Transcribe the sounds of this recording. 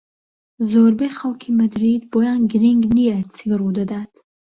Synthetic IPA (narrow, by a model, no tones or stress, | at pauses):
zɔːɾbɛχalˠkʰimɐd̪ɾid̪bɔjanɡɾiŋɡniɛt͡sʰiɡəɾud̪ɐd̪at̪ʰ